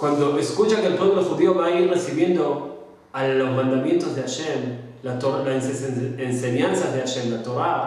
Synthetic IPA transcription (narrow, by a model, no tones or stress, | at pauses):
kwand̪o̞eskut͡ʃaŋkelpwoβloxuðio̞βaiɾre̞siβje̞nd̪o̞ | aozmãnd̪amje̞nt̪o̞zðeaʃe̞m | lat̪oɾlansense̞ɲansazðeaʃe̞mlat̪o̞ɾa